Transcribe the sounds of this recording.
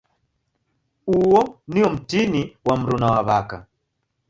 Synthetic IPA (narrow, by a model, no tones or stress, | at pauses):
uwɔniɔm̩tiniwam̩ɾunawaβaka̰